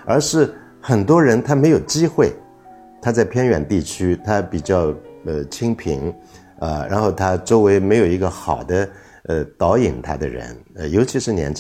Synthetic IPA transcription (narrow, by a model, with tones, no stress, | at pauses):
ə˞˧˥ʂɻ̩˥˩ | xə˨˩nt̪wɔ˥ɻə˧˥nt̪ʰa˥me˧˥ɪjo˨˩ʊt͡ɕi˥xwe˥˩ɪ | t̪ʰa˥t͡sa˥˩ɪpʰjɛ˥nɥɛ̰˨˩nt̪i˥˩t͡ɕʰy˥t̪ʰa˥pi˨˩t͡ɕjɑ˥˩ʊə˧t͡ɕʰi˥ŋpʰḭ˧˥ŋ | ə˧ɻa̰˧˥nxo˥˩ʊt̪ʰa˥ʈ͡ʂo˥ʊwe˧˥ɪme˧˥ɪjo˨˩ʊi˧˥ɡə˧xɑ˨˩ʊd̪ə˦ | ə˧t̪ɑ˧˥ʊi˨˩nt̪ʰa˥d̪ə̰˧ɻə̰˧˥nə˧jo˧˥ʊt͡ɕʰi˧˥ʂɻ̩˥˩njɛ̰˧˥nt͡ɕ